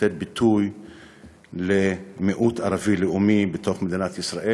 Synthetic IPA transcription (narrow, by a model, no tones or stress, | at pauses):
et̪̚bit̪uj | lemeʔut̪aɾavileumibet̪o̞χmed̪inat̪isʁaʔe